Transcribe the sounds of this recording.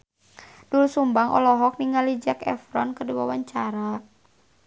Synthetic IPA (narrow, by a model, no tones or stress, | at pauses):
d̥ulsumbaŋʔɔ̰lɔɦɔk̚niŋalid͡ʒakɛ̰fɾɔ̰nkəduwa̰waɲt͡ʃaɾa